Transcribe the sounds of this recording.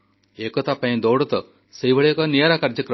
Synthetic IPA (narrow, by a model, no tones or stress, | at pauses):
ekɔt̪apaj̃d̪ɔwɽɔt̪ɔ | seibʱɐɭejkɔnijaɾakaɾd͡ʒɐkɾ